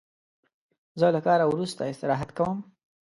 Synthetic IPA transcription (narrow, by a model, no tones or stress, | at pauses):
zəlakɑɾawɾust̪aɪst̪ɪɾɑɦat̪kawəm